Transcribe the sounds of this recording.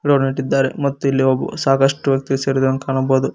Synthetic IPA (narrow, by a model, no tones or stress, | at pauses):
ɽoːɾniʈːid̪ːaːɾḛmɐt̪ːuilːiobṵsaːkɐʂʈuʋjɐk̚t̪iɡeseːɾud̪ɐɐnkaːɳɐboːd̪u